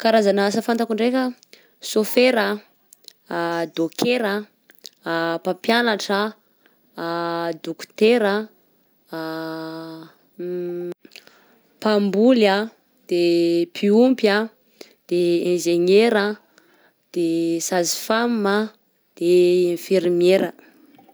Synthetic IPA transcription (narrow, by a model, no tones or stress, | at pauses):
kaɾazanasafant̪akuɳɖ͡ʐekʲə | sofeɾə | d̪okʰeɾə | papjanaʈ͡ʂə | d̪uku̥t̪eɾə | pambula | d̪̥epʰiumpja | d̪̥eẽnʒeɲeɾə | d̪̥esazi̥fammə | d̪̥eẽfeɾmeɾə